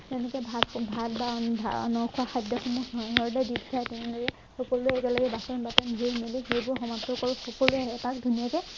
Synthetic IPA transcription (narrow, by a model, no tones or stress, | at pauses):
tɛnɛkɛbʱabʱalbabʱa̰nɔɹkʰuaxajdjɔxɔmɔɔɹdajdittʰajtɛnɛ̃lɔɹɛ | xɔkɔluɛɛtalaɡɛbasɔnbatɛnbʱiɹmelixejbʊɹxɔmatːɔkɔɹxɔkɔluaɦɛpakdʱunijakɛ